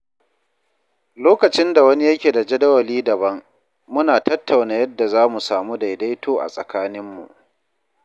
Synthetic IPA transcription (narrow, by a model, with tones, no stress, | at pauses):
loː˦kɐ˨t͡ʃɪ˦nda˨wɐ˦ni˦jɐ˦kʲeː˨da˨d͡ʒɐ˦dɐ˦wɐ˨liː˦dɐ˨bɐ˦ŋ | mʊ˦naː˨tɐ˦tʰːa˨wnaː˨˦jɐ˦dːa˨zaː˦mu˨saː˨mu˦da˨jda˦jtoː˦ʔa̰˨sʼɐ˨kaː˦nɪ˦mːṵ˨ʔ